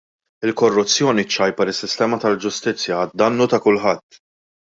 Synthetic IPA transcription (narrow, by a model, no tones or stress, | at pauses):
ɪlkɔrːʊt͡sːjɔːnit͡ʃːɐjpɐɾɪsːɪst̪ɛːmɐt̪ɐld͡ʒʊst̪ɪt͡sːjɐd̪ɐnːuːt̪ɐkʊlħɐt̪ː